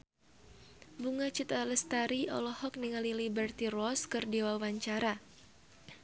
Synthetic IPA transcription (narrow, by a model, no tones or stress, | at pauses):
buŋat͡ʃit̪aləst̪aɾiɔ̰lɔhɔk̚niŋalilibɛrt̪irɔskɨrdiwawaɲt͡ʃaɾa